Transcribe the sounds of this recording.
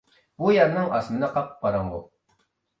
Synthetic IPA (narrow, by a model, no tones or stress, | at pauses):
bujɑɾnɨŋɑ̰smɨnɨqʰɑpqɑɾɑŋʁʊ